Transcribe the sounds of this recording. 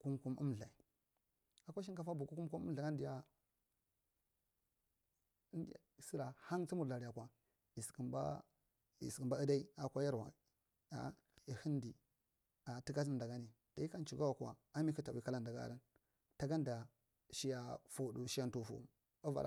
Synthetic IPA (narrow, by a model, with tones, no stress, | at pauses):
ku˦mku˦mṵ˦mɮa˨i˨ | a˨kʷa˦ʃ̬i˦nka˦fa˦bu˨ku˦ku˦m˦ku˦mu˦ɬa˨ɡa˦n˦di˨ja˦˨ | si˦ɾa˨ha˦ŋt͡si˦mu˨ɾa˨ɾi˨a˨kwa˨ | i˨ski˨mba̰˦ | ḭ˨si˨mba˦ə˦da˦i˦a˨kʷa˦ja˦ɾwa̰˨ | a̰˨ | i˨hi˦ndi˨ | a˨ti˦ka˦t̬i˦m˨da˨ɡa˦ni˨ | d̥a˨i˦ka˦nt͡ʃu˨ɡa˦wa˨ka̰˨a˦mi˦ku˦ta˨wi˨ka˦la˦nda˨ɡa̰˦ɾa˦n | ta˨ɡa˦nda˨ | ʃi˦ja˨fo˨du˨ʃi˦a˦n˨tu˨fṵ˨ | a˦va̰˨ɾa̰˨